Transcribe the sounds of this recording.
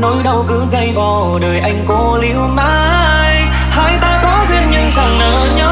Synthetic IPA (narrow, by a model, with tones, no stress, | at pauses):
no˨˦jɗə˧wkɨ˨˧˦zə˧jvɔ˨˩ | ɗəː˨˩jʔa˧jŋ̟ko˨˧˦lḭ˧˦˥əwnaː˧ | j | haː˧˩jt̪aː˧kɔ˨˦zwi˧ənɲɨ˧ŋsa˨˩ŋnəː˧˩ɲɔ˨˦